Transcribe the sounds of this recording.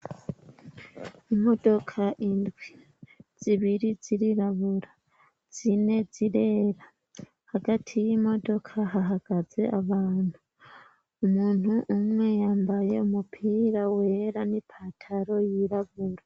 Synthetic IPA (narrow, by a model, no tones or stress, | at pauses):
imo̞do̞kʰaʔindwi | z̥iβiɾiziɾiɾaβuɾa | z̥ine̞ziɾe̞ːɾa | haɡatʰijimo̞do̞kʰaɦaɦaɡ̥aze̞ʔaβaːn̥huː | muːn̥huʔːmŋe̞jaːmbaje̞umupʰiːɾawe̞ɾanipʰatʰaɾo̞jiɾaβuɾa